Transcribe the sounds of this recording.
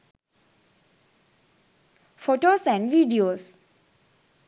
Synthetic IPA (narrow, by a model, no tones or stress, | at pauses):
foːʈoːsɛ̃ɳɖʋiːɖioːs